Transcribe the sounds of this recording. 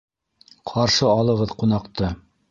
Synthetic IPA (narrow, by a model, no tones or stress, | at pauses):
qʰɑɾʃɤɑlˠɤ̆ʁɤðqunɑqt̪ɤ